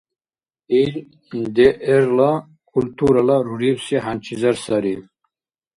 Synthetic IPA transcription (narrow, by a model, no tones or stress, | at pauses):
iɾ | d̪ɛʔɛɾla | kʰult̪ʰuɾalaɾuɾiwsiɦant͡ʃʰizaɾsaɾi